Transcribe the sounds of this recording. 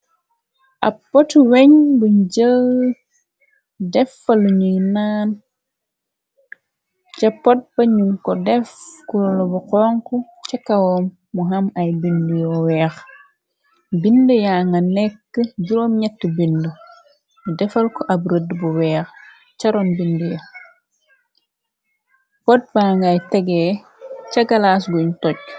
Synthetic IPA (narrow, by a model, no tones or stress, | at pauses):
ʔɐpːɔtwɛɲbuɲɟə | dɛfɐluɲujnaːn | t͡ʃɐpːot̚b̥ɐɲuŋkɔdɛfkullɔbuqɔːŋku | t͡ʃɐkːawɔmːuɦɐmɐjbindujɔwɛːx | bindəjaŋɡɐnɛkːəɟuɾoːmɲɛtːəbindu | mudɛfɐlkɔʔɐbɾədbuwɛːx | t͡ʃɐɾɔnbindujɐ | pɔt̚baːŋɡajtɛɡɛː | cɐɡalasɡuɲtɔɟ̚